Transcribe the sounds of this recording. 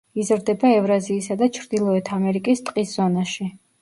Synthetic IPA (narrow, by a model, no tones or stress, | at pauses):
izɾd̪ɛbaɛvɾaziːsad̪at͡ʃʰɾd̪ilˠɔɛt̪ʰamɛɾikʼist̪ʼqʼisz̥ɔnaʃi